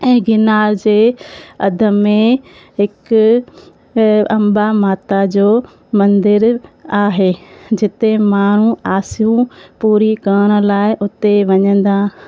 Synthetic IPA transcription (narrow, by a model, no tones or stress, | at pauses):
ɛ̃ːɡɪnaːɾd͡ʑeːɐd̪ʱə̆mẽ | ɦɪkʊ | ɐ̃mbamaːt̪ad͡ʑoː | mɐ̃nd̪ɪɾaːɦeːd͡ʑɪt̪emaːɳ̤ũaːsijũpuːɾikɐəɽ̃ə̆laːɪʔʊt̪eʋɐɲə̃nd̪aː